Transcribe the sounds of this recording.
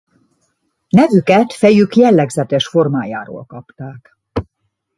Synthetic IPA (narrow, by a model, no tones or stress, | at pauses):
nɛvykɛt̪fɛjykjɛlːɛɡzɛt̪ɛʃfo̞rmaːja̰ːɾo̰ːlkɒpt̪aːk